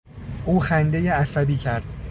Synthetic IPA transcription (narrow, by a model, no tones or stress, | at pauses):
ʔuːxænd̪ejeæsæbiːcʰæɾd̪̥